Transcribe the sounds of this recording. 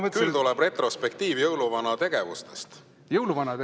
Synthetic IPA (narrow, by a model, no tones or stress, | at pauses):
mət̪kylt̪ulɛb̥re̞t̪rospek̚t̪iːvjɤwluvɑnɑt̪e̞ɡ̥e̞vust̪est̪ | jɤwluvɑnɑt̪